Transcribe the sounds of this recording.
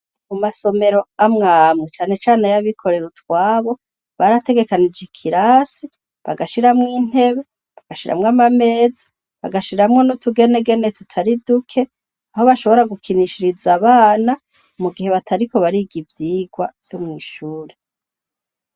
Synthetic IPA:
mumaso̞me̞ɾo̞amŋaːmŋet͡ʃaːnet͡ʃaːnejaβikʰo̞ɾe̞ɾutwaːβo̞ | βaɾate̞ɡe̞kanid͡ʒikʰiɾaːsi | βa̰ɡaʃiɾamŋiːn̥he̞βe̞ | βaɡ̥aʃiɾa̰mŋamame̞ːzḁ | βa̰ɡaʃiɾamŋo̞notuɡe̞ne̞ɡe̞netutʰaɾidukʰe̞ | aho̞βaʃo̞βo̞ɾaɡukʰiniʃiɾizaβaːna | umuɡihe̞βatʰaɾiko̞βaɾiɡivjiːɡwav̥jomŋiːʃuːɾe

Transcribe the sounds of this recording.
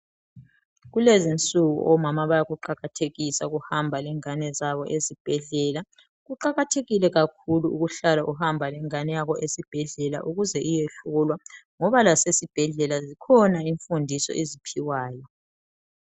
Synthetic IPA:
ɣulezint͡sʼuɣṵʔɔmamaβajaɣuǃaɣatʰeɣisaɣuhambʱalɛŋanɛzaβɔʔezib̥ʱɛɮɛla | ɣuǃaɣatʰeɣilɛɣakʰuluuɣuɬalaʔuhambʱalɛŋanɛjaɣɔʔesib̥ʱɛɮɛla̰ʔuɣuzɛʔijeɬuulwaŋɔβalasesib̥ʱɛɮɛlazikʰɔnaiɱfundʱisɔ̰ʔezipʰiwaːjɔ

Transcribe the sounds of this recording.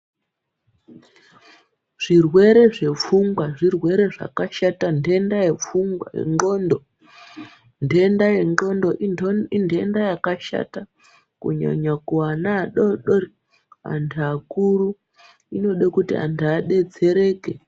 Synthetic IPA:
ʐ̥irwe̞ɾe̞ʐe̞p͡fuŋɡwaʐirwe̞ɾe̞ʐa̰kaʃatande̞ndajep͡fuŋɡwa̰jḛŋɡondo | ndendajeo̞ndoindʱendajakaʃa̰ta | kṵɲa̰ɲakuanaɗoɗori | a̰ntʰuakuru | ino̞ɗakutḭa̰ntʰuaɗe̞d͡ze̞ɾe̞ːke

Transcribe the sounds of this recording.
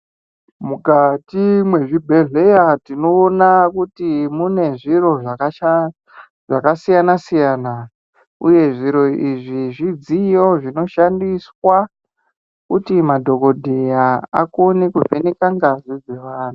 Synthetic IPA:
mukatimwe̞ʐibʱe̞ɮe̞jatino̞ːnakutimune̞ʐiro̞ʐa | ʐakasijanasijaːna | ṵje̞ʐiɾo̞iʐiʐid͡zijo̞ʐino̞ʃandiswa | kutimadʱo̞ko̞dʱejaa̰konikuvenekaŋɡazid͡ze̞ʋaːnu

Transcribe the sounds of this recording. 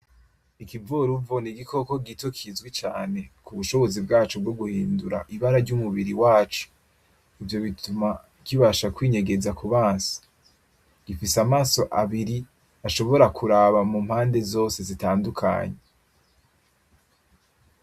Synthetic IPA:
ikivuɾuvoniɡikʰo̞ko̞ɡitokʰizɡwit͡ʃaːne̞kuβuʃo̞βo̞zibɡaːt͡ʃob̚ɡo̞ɡuhiːnduɾa̰ʔiβaɾaɾɟumuβiɾiwaːt͡ʃu̥ | ivjo̞βituma | kiβaʃakwiːɲe̞ɡe̞zakuβaːnsḁ | ɡ̥ifisamaːso̞ʔaβiɾi | aʃo̞βo̞ɾakuɾaβamumhaːnde̞zo̞ːse̞zitaːndukʰa̰ːɲe

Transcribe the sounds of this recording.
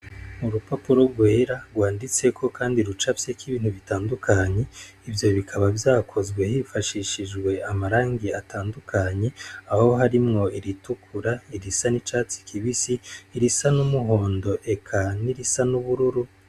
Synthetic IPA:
muɾupapuɾo̞ɾɡwe̞ːɾaɡwaːndit͡se̞kʰo̞kaːndiɾut͡ʃafsekiβiːn̥huβitaːndukʰaɲe̞ | ivjo̞βikʰaβavjaːkʰo̞zɡwe̞hifaʃiʃiʒɡwe̞amaɾaːŋɡiatʰaːndukʰaɲe̞aho̞ɦaɾimŋo̞iɾitukʰuɾaiɾisanit͡ʃaːt͡si̥kʰiβisiːɾisanumuɦo̞ːndo̞ʔe̞kʰaniɾisanuβuɾuɾu

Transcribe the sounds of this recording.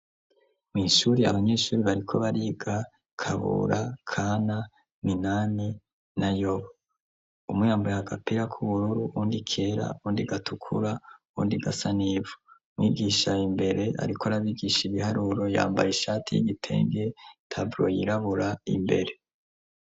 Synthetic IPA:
miːʃuɾia̰βaɲe̞ːʃuːɾiβaɾikʰo̞βaɾiɡa | kʰaβṵɾakʰaːna | minani | najoβa | umujaːmbojaaɡapiɾakʰuβuɾuɾuʔuːndikʰe̞ɾa̰uβuːndiɡatʰukʰṵɾaβṵːndiɡasaniːvo | mwiːɡiʃaimbe̞ɾe̞ʔa̰ɾikʰoɾaβiɡiʃiβihaɾuɾo̞ja̰ːmba̰jiʃaːtʰijḭɡitʰe̞̰ːŋɡetʰabɾo̞jiɾaβuɾaḭmbe̞̰ɾe̞

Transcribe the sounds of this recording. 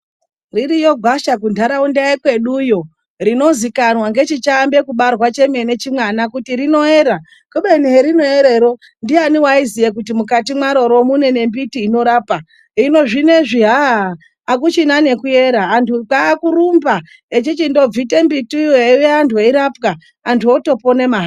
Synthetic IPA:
riɾijoɡʱwaʃakundʱaɾaundaikwe̞ɗujo̞ | rino̞zikanwaŋɡe̞t͡ʃit͡ʃaːmbe̞kuɓarwat͡ʃe̞me̞ne̞t͡ʃimwanakutirino̞e̞ːɾa | kuɓeneɾino̞e̞ɾe̞ɾo̞ | ndianiwaizijek̬utimukatimwaɾo̞ɾo̞mune̞ne̞mbitiːno̞ɾaːpa | ino̞ʐine̞ʐiɦaː | k̬ut͡ʃinane̞kuje̞ɾaːntukaːkuɾumba | et͡ʃit͡ʃindo̞b͡vite̞mbitieweantʰuaiɾapkaː | ntʰuoto̞po̞ne̞maɦa

